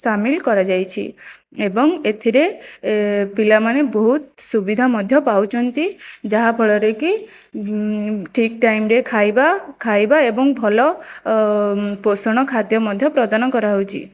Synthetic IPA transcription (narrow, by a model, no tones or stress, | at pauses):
samilkɔɾad͡ʒajt͡ʃʰḭ | ebɔŋet̪ʰiɾe | pilamaneboɦut̪̚subid̪ʱamɔd̪ʱjɔpawt͡ʃʰɔnt̪id͡ʒaɦabʱɔɭɔɾeki | ʈʰik̚ʈajmɾekʰajbakʰajbaebɔŋbʱɔlɔ | posɔɽ̃ɔkʰad̪jɔmɔd̪ʱjɔpɾɔd̪anɔkɔɾaɦowt͡ʃʰḭ